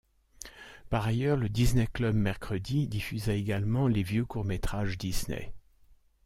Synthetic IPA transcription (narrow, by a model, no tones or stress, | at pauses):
paʁajœʁləd̪isneklœbmɛʁkχəd̪id̪ifyzaeɡalmɑ̃levjøkuʁmet̪χaʒd̪isnḛ